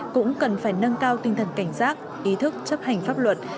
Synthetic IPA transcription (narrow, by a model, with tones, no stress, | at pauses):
kʊ̰˧˥ŋ͡mkə˨˩nfaː˧˩jnə˧nkaː˧wt̪ï˧ŋ̟t̪ʰə˨˩nka˧˩jŋ̟saː˦˥t̚ | ʔi˨˦t̪ʰɨ˦˥k̚t͡ɕə˦˥p̚ha˨˩jŋ̟faː˦˥p̚lwə˨˩t̚